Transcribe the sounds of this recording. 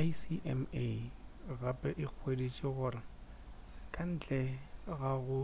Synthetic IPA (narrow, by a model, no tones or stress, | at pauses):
jsiʔɛme | ɣapʼɛʔɪk͡xʰwedit͡ʃʼɪɣʊːrɪ | kʼan̩ːt͡ɬʼɛɣaɣʊ